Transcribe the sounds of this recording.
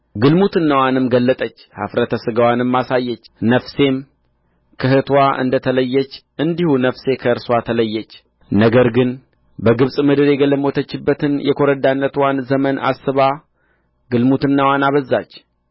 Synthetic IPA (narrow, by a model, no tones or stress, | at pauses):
ɡɨlmut̪ɨnːawanɨmɡəlːət̪ʼət͡ʃːha̰fɾət̪ʰəsɨɡəwanɨmːasajːɛt͡ʃːnəfse̞m | kʰəhɨt̪ʰwaʔɨ̰nd̪ət̪ʰələjːɛt͡ʃːʔɨnd̪ihunəfse̞kʰəɨɾswat̪ʰələjːɛt͡ʃː | nəɡəɾɡɨn | bəɡɨβsʼmɨd̪ɨɾjɛɡələmot̪ʰət͡ʃːɪbːət̪ʰɨnjɛkʰo̞ɾəd̪anːət̪wanzəməna̰sɨβa | ɡɨlmut̪ɨnːawanaβəzːat͡ʃː